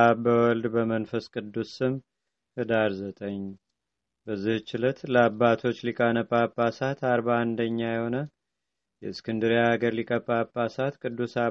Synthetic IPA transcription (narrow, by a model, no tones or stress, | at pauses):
abəwɔld̪bəmənfəskʼɨd̪ːusɨm | hɨd̪aɾzət̪ʼəɲː | bəzːiht͡ʃːɪlət̪ləabːat̪ʰo̞t͡ʃːlikʼanəpʼːapʼːasat̪ʰaɾbaːnd̪əɲːajɛho̞nə | jɛɨskʰɨnd̪ɨɾjaaɡəɾlikʼəpʼːapʼːasat̪kʼɨd̪ːusa